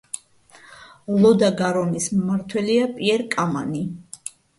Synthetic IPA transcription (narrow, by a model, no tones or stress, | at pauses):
lɔd̪aɡaɾɔnismmaɾt̪ʰwɛliapʼiɛɾkʼama̰ni